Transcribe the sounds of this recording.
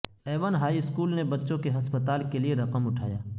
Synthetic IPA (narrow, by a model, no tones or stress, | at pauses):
eːʋənɦaːiɪskuːlnebɐtːʃõkeɦɐspət̪aːlkelieɾɐqəmʊʈʰa̰ːja̰ː